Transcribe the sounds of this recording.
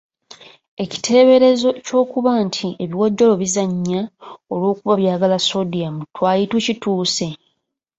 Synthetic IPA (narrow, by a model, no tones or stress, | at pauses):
e̞ci̥tʰe̞ːβe̞ɾe̞zo̞co̞ːkuβaːntʰieβiwo̞ɟːo̞lo̞βizaɲːaolwo̞ːkuβaβjaːɡalaso̞dijamutʰwaːjitucituːse̞